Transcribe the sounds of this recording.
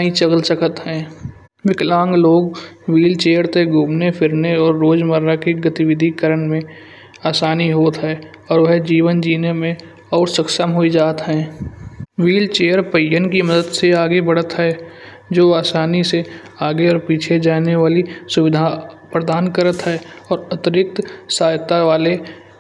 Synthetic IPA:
ĩt͡ʃəɡlsəkʰət̪ɦɛ̃ː | ʋɪklãːŋɡloːɡwiːlt͡ʃeːjəɾt̪eɡʱuːmnefʰɪɾneɔːɾːoːd͡ʒməɾːakeɡət̪ɪʋɪd̪ʱikəɾəɳmẽ | aːsaːniɦoːt̪ɦɛː | ɔːɾʋəɦd͡ʒiːʋənd͡ʒiːnemẽ | ɔːɾsəksəmɦoid͡ʒaːt̪ɦɛ̃ː | ʋiːlt͡ʃeːjəɾpəjənkiməd̪əd̪seaːɡebəɽ̤ət̪ɦɛ | d͡ʒoːaːsaːnise | aːɡeɔːɾpiːt͡ʃʰed͡ʒaːneʋaːlisʊʋɪd̪ʱapɾəd̪aːnkəɾət̪ɦɛɔːɾət̪ɪɾɪk̚t̪saːjt̪aʋaːle

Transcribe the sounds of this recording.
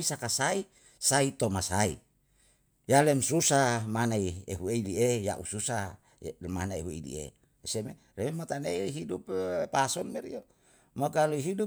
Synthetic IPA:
isakasai | sait̪omasaḭ | jalɛmsusamanaieɦueilieja̰ʔususa | manaeɦuḛlḭḛ | seme | rememot̪aneiɦiduppasɔnmɛɾḭjo | mokaluiɦidu

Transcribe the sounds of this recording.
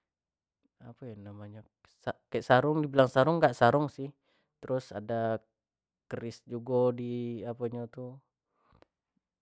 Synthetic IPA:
apanamaɲa | sakɛʔsaɾʊŋdibəlaŋsaɾʊŋɡaʔsaɾʊŋsɪh | t̪əɾʊsa̰da | kəɾɪsd͡ʒuɡodiapaɲat̪u

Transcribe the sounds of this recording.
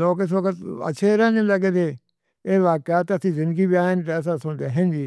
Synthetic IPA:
loːkes̬oːkət̪ə̰ʃʰeːɾɛːneləɡed̪eː | eːʋaːkaːt̪əsĩːzɪ̃nd̪əɡiːbiaːənt̪eəs̬ãːsʊɳd̪eːɦɛ̃nd͡ʒiː

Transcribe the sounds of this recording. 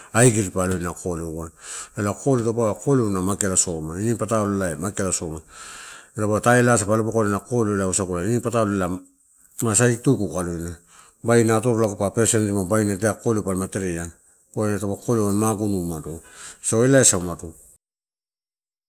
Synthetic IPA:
ajɡiɾpalojnakʰo̞lewanelako̞litopaakoleunamakelasomainipataolelaemakelaso̞ma | etopataelas̬apalopakolenako̞lelausakulainipatalela | mas̬aitukukalojna | bajnato̞ɾolakupapeɾsentimabajnateakolewpalmate̞ɾeja | koenatopakolewanmaɡunumatusoelaesaumatu

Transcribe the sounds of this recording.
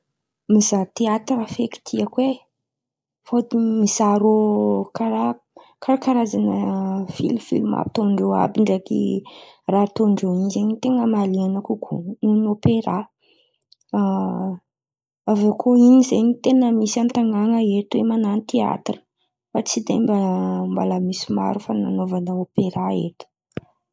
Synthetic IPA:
mizat̪eat̪rafeki̥t̪ʰiakwe | fot̪imizaɾokaɾa | kaɾakaɾazanəfḭlmfḭlma̰bit̪oɳɖ͡ʐoa̰biɳɖ͡ʐakḭ | rat̪oɳɖ͡ʐoinzeɲit̪eŋəmaleanakukʰṵnunopeɾa | avokʰoinizeɲit̪enəmisant̪aŋɡaŋəetwemananit̪ea̰t̪rə̥ | fat͡sid̪embambalamisima̰ɾufananovanəopeɾaḛtə̥

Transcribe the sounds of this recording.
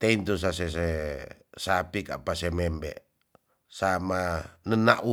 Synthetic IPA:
t̪eint̪us̬as̬ɛs̬e | sapika̰ʔpasemɛmbɛ̰ | samanənaʔu

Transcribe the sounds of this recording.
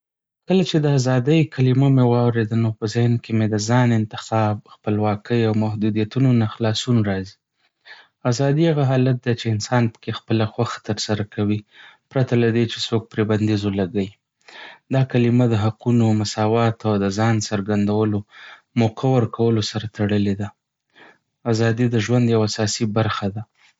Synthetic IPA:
kəlat͡ʃed̪əazɑd̪əjkʰalimamewɑwɾed̪anopəzɪhnkemed̪əzɑnɪnt̪ɪxɑb̚xpəlwɑkʰəjawmahd̪ud̪ijat̪unonaxlɑsunɾɑzi̥ | azɑd̪iaɣaɦɑlat̪̚d̪et͡ʃeɪnsɑnpə̥kexpəlaxwaxḁt̪əɾsaɾakʰawipɾat̪alad̪et͡ʃe̥sok̚pɾeband̪izolaɡaji | d̪ɑkalɪmad̪əɦaqunomasɑwɑt̪awd̪əzɑnsəɾɡand̪awəlo | moqʰawəɾkʰawəlosaɾat̪ʰaɽəled̪a | azɑd̪id̪əʒwand̪jawaasɑsibaɾxad̪a

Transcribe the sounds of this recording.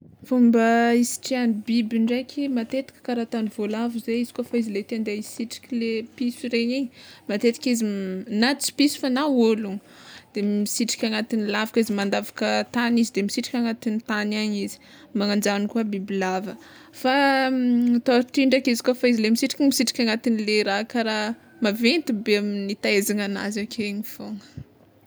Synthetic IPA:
fumbəisi̥ʈ͡ʂianibibiɳɖ͡ʐekʲimat̪et̪i̥kʲə̥kaɾat̪anivolavuzeiz̥i̥kofaizilet̪end̪eisiʈ͡ʂi̥kʲilepisiɾeɲiɲmat̪et̪i̥kʲizinat͡si̥pisu̥fanaolu | d̪̥emisiʈ͡ʂi̥kʲaŋat̪inilavakizimand̪avakət̪anizid̪emisiʈ͡ʂi̥kʲaŋat̪init̪anaɲizi̥ | maŋand͡ʒanikuabibilavə | fa | t̪oaʈ͡ʂiɳɖ͡ʐakizi̥kofaizilemisiʈ͡ʂi̥kimisiʈ͡ʂi̥kʲaŋat̪inileɾakaɾa | mavent̪ubeaminit̪aezaŋana̰zakʰeɲifoŋə̥

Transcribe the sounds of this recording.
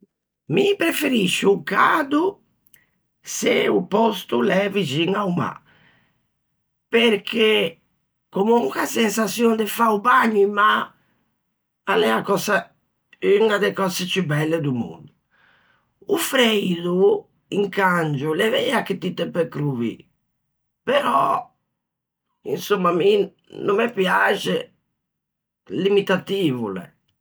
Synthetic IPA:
mipɾefeɾiʃuukad̪u | sḛupɔst̪ulɛvid͡ʒiŋauma̰ | peɾkʰe | komuuŋkasensasjond̪efaubaɲːuma | alɛakɔsa | ynad̪ɛkɔsɛt͡ʃubɛlːɛd̪umṵnd̪u | ufɾejd̪u | ḭŋkand͡ʒulɛvɛakit̪it̪ːɛpːɛkɾuvḭ | pɛɾɔ | ḭnsumːami | numːɛpjat͡ʃɛ | limit̪at̪iːvṵlɛ̰

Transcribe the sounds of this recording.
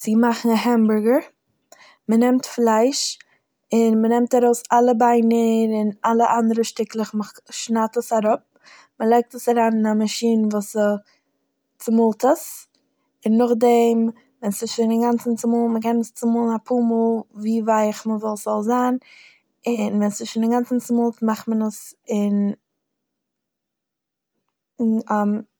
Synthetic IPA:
t͡sɪɡmaχn̩aɦɛmbʊɹɡəɾ | mənɛmtflˠaɪʃ | ɪnmənɛmtaɾoʊsalˠəbaɪnəɾɪnalˠəʔandəɾəʃtɪklˠəχməʃnatəsaɾʊp̚ | məlˠaɪk̚təsaɾaːnɪnamaʃiːnvuːsə | t͡sɪmʊlˠtəs | ɪnːʊχdɛm | vɛnsɪʃɪnɪŋɡant͡sn̩t͡sɪmulməkɛnəst͡sɪmʊlˠnapʰumɔlˠviːvaɪχməvɔlˠsz̥ɔlˠzaːn | ɪnvɛnsɪʃɪndɪŋɡant͡sn̩t͡sɪmʊlˠtmaχtmənəsɪn | a

